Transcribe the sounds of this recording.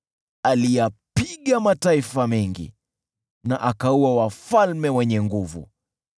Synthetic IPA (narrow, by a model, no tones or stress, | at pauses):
alijapiɠamataifamɛŋɡḭ | naʔakauawafalmɛwɛɲɛŋɡuvṵ